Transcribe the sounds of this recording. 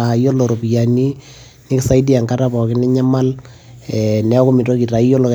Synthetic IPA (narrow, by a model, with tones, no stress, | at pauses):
a˨jo˦lo˨ɾo˨pi˨ja˨ni˦ | nɪ˦ksa˦idi˦a˨ŋka˦tapɔ˨kɪ˦nɪ˦ɲa˦ma˦l | ɛnɛ˦ɔ˦kʊ˦mi˨to˦ki˨ta˨i˦jo˦lo˨k